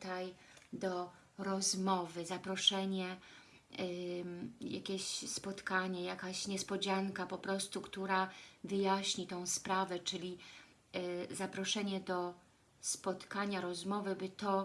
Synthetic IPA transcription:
t̪ajd̪ɔ | ɾɔzmɔvɘzapɾɔʂɛɲɛ | ja̰kʲeɕspɔt̪kaɲɛjakaɕɲɛspɔd͡ʑaŋkapɔpɾɔst̪ukt̪uɾavɘjaɕɲit̪ɔ̃w̃spɾavɛt͡ʂɘlʲi | zapɾɔʂɛɲɛd̪ɔ | spɔt̪kaɲaɾɔzmɔvɘbɘt̪ɔ

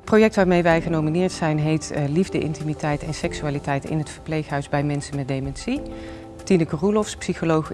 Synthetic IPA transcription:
ətprojɛk̚tʋaːɹmejʋɛjχənowminɪːɹtsɛjnɦejtlivdəʔɪ̰ntimitɛjtɛnsɛksyaːlitɛjtɪ̰nɦətfəɹplejχɦœɥzbɛjmɛnsənmɛt̚dejmɛnsi | tinəkərulɔfspsixolowχ

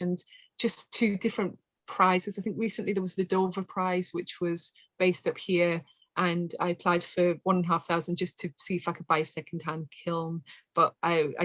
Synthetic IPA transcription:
ə̃nz̥d̥ʒ̥ʌstʰʉːdɪfɹə̃n | pʰɹ̥aɪz̥ɪzaɪθɪ̃ŋkɹiˑsə̃nʔliðəwɒzðədoʊvəpʰɹ̥aɪz̥wɪt͡ʃwɒz̥ | b̥eɪstʌphiəɹ | ʔə̃na̰ɪəpʰl̥aɪd̥fə˞wʌ̃nə̃nɦaˑfθaʊzə̃n̩d͡ʒʌstʰɨsiːflakəb̥aɪsɛkn̩d̥̚ɦãnkʰɪl̃ˠmb̥ʌʔʔaɪa̰ɪ

